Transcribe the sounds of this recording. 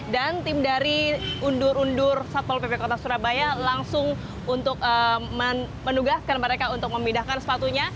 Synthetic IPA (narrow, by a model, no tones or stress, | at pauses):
dant̪ɪmdaɾiundʊɾundʊrsat̪̚ɔlpepekot̪asuɾabajalaŋsʊŋ | unt̪ʊk̚əmə | mənuɡaskanməɾekaunt̪ʊk̚məmidahkansə̥pat̪uɲa